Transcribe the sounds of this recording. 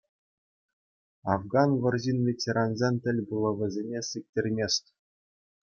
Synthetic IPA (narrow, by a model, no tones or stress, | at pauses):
ɑ̰vɡɑnʋɤ̆rʑinvʲetʲeɾɑnzʲenʲt̪ʲɘ̆lʲbulˠɤ̆ʋʲɘ̆zʲenʲesɨk̚ʲtʲerʲmʲesʲtʲ